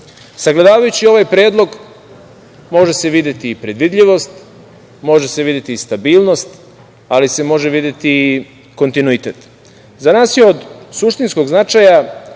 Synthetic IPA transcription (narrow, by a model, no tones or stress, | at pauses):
saɡled̪aːʋajut͡ɕio̞ʋajpɾe̞ːd̪lˠo̞ɡ | mo̞ʒe̞seʋid̪et̪iːpɾe̞d̪ʋid̪ʎʲiʋo̞st̪ | mo̞ʒese̞ʋid̪jet̪ist̪abiːlˠno̞st̪ | alise̞mo̞ʒeʋid̪jet̪i | ko̞nt̪inuit̪et̪ | zanaːsjeo̞d̪suʃt̪insko̞ɡznat͡ʃaja